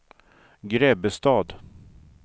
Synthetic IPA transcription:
ɡɾɛbəst̪ɑːd̪

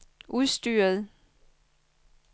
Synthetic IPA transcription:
ʔuðˠsd̥yːɐð̩ˠ

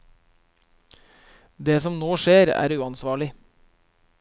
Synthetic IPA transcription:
d̪eːsɔmnoːʃeːɾæ̰ːɾʉːɑnsʋɑːɭɪ

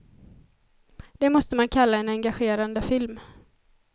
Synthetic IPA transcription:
d̪̥ɛmɔst̪əmankʰalːaɛnɛŋɡaɧeːɾand̪əfɪlm

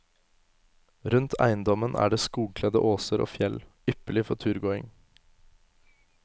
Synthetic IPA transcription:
ɾʉnt̪ʰæ̰ɪnd̪ɔmənʔæ̰ːɖeːskuːɡ̚kʰlɛd̪ə̰ʔoːsəɾʔo̰ːfjɛl | ʏpəlɪfɔtʰʉːɾɡoːɪŋ

